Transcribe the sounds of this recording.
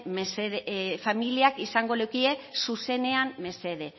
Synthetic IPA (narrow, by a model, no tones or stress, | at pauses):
meseðfamiliakisaŋɡo̞lewkie̞suse̞ne̞amme̞se̞ðe̞